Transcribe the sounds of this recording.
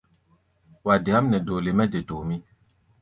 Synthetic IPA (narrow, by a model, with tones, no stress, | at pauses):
wa˨de˨a˦mnɛ˨doː˨le˨mɛ˦d͡ʒe˨doː˨mĩ˦